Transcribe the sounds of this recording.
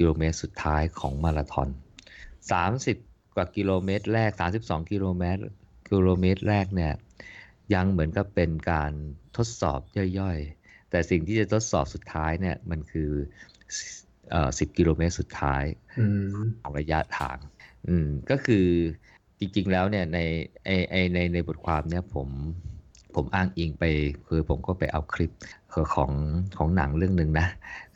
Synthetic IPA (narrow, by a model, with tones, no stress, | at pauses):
ki˧loː˧meː˦˥t̪̚su˨˩t̪ʰːaː˦˥jkʰɔː˩˦ŋmaː˧ɾa˧t̪ʰɔ̰ː˧nsaː˩˦msi˨˩p̚ | kwaː˨˩ki˧loː˧meː˦˥t̪̚ɾɛː˥˩k̚saː˩˦msi˨˩p̚sɔː˩˦ŋki˧loː˧meː˦˥t̪̚ki˧loː˧meː˦˥t̪̚ɾɛː˥˩k̚ni˥˩ɐ | ja˧ŋmɯ˩˦ənka˨˩pːe˧nkaː˧nt̪ʰo˦˥t̪̚sɔ̰ː˨˩p̚jɔ˥˩jːɔ˥˩j | t̪ɛː˨˩si˨˩ŋt̪ʰiː˥˩a˨˩t̪ʰo˦˥t̪̚sɔː˨˩p̚su˨˩t̪ʰːaː˦˥jni˥˩ɐma˧nkʰɯː˧ | ʔəː˨˩si˨˩p̚ki˧loː˧meː˦˥t̪̚su˨˩t̪ʰːa̰ː˦˥jʰ | ɔː˩˦ɾa˧ja˦˥t̪ʰa̰ː˨˩˦ŋʔɯː˨˩mkɔː˥˩kʰɯː˧ | t͡ɕi˧ŋt͡ɕi˧ŋlɛː˦˥wni˥˩ɐna˧jʔa˧jʔa˧jna˧jna˧jbo˨˩t̪̚kʰwaː˧mni˥˩ɐpʰo˩˦m | pʰo˩˦mʔaː˥˩ŋʔiː˧ŋpa˧jkʰɯː˧pʰo˩˦mkɔː˥˩pa˧jʔa˧wkʰɾi˦˥p̚kʰːkʰɔː˩˦ŋkʰɔː˩˦ŋna̰˩˦ŋɾɯ˥˩əŋnɯ˨˩ŋna˦˥